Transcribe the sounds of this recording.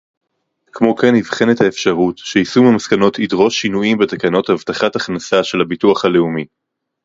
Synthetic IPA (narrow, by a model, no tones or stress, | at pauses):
kmo̞kenivχe̞nethaefʃaʁutʃeisumimaskano̞tʰidʁo̞ʃːinuʔimbetakano̞thavtaχataχnasaʃe̞lhabituaχhale̞umi